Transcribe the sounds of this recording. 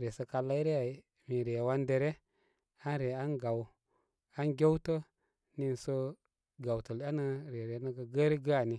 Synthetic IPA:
ɾe˨sə˨˦ka˧la˦i˦ɾe˦ja˨ | mi˨ɾe˨wa˦nde˨ɾe˦ | a˦nɾe˨a˦nɡa˨w | a˦nɡʲe˦wtə˦ | ni˦n˨so˦ | ɡa˨wtə˨la˦nə˦ɾe˨ɾe˨˦nə˦ɡə˨ɡə˦ɾe˦ɡa˦a˦˨ni˨

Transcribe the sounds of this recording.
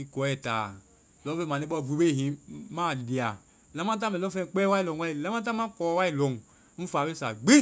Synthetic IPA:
i˦ko˨e˦˨ta˨ | lo˦ve˦˨ma˨ne˦bo˦˨vu˨be˦˨ɦi˨ma˦˨di˨a˨ | la˨˦ma˦t̬a˦me˨lo˦fe˦˨k͡pe˦wa˦i˦lo˨ŋwa˦i˨la˦ma˦t̬a˦ma˦ko˨˦wa˦i˦lo˨ŋ˦ | n̩˦fa˨be˦sa˨ɡ͡be˦

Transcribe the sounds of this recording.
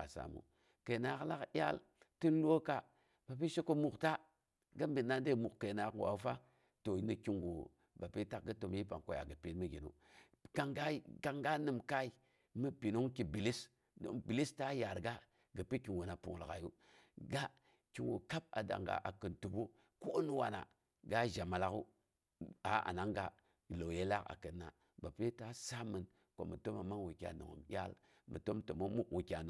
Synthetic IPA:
a̰˨sa̰˨mṵ˨ | ke˨na˨kla˦ja̰˦l | ti˦n˦lu˦o˦ka˨ | b̥a˨p̬i˦ʃe˦ko˦mu˨kta˦ | ɡə˦mbi˨nːa˦de˦˨mu˨kke˨na˨kwa̰˨u˦fa˦ | to˨ji˦ni˦ki˦ŋɡṵ˨ | ba˨pi˦ta˨k̚ɡə˦to˨mji˦pa̰˨ŋko˨ja̰˨ɡə˨pi˦tmə˦ɡḭ˨nṵ˦ | ka˨ŋɡa˦i˦ɡa˨ŋɡa˦nɨ˨mka˦i˨ | mə˦pi˨no˦ŋki˨bi˨li˦s | do̰˨ŋbi˨li˦sta˦ja˨ɾɡa˦ | ɡə˨pi˦ki˨nwo˨na˨pu˨ŋ˨lka˨ju˦ | ɡa˦ | ki˦nwo˨ka˦p̚a̰˨da̰˨ŋɡa̰˨ʔa˨kə˨ntu˨bu˦ | ko˦nu˦wa̰˨na̰˨ | ɡa˦ʒa˨ma˨la˨ku˦ | a˨˦a̰˨na˦ŋɡa˦˨ | lo˨wje˦la˦ka̰˨kə˨nːa˨ | ba˨pi˦ta˦sa˦mə˨n | ko˨mə˨to˦ma˨ma˦wu˨kʲa̰˨no̰˨ŋ̰˨m˨jʲa̰˦l | mə̰˨to˦mto˨mo˦mu˦kwu˨kʲa˨no˨

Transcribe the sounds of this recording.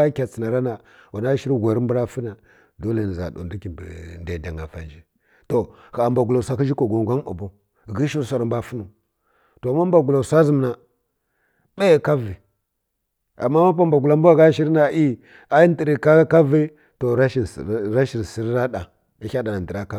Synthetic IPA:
kʲa˨t͡si˨na˨ɾa˦na˨ | wa˨na˦ʃi˦ɾɡʷa˨ɾi˦m˦bu˦ɾa˦fi˦na˨ | do˦le˨n˨za̰˨do̰˨ndu˦ki˨b̰nda˨da˨ŋa˨fa̰˨nd͡ʒi˦ | to˨ | xa˨a˨mba˨ɡu˨la˨sʷa˦ki˦d͡ʒi˦ko˨ɡo˨ŋ˨ɡʷa˦n˦a̰˨bo˦˨ | ɡi˦ʃi˦ɾsʷa˨ɾa˨mba˨fu˦nu˨ | to˨ma˦mba˨ɡu˨la˨sʷa˦zi˨m˨na˨ | ɓa˦˨ka˦vi˨ | a̰˨mːa˦ma˦pa˦mba˨ɡu˨la˦mbu˦a˨ɡa˦ʃi˦ɾna˨ʔi˦ | a˦i˦ndi˨ɾi˨ka˦ka˦vi˦ | to˨ɾa˦ʃi˦˨˦ɾa˦ʃi˨ɾsi˨˦ɾɾa˦ɗa˨ | i˦a˦da˨na˨n˨də˨ɾa˦ka˦

